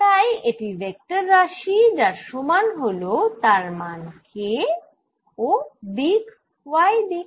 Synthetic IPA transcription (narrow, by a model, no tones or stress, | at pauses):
t̪ajeʈibɛk̚ʈaɾːaʃid͡ʑaɾʃomanɦolot̪aɾmankʰe | od̪ik | wajd̪i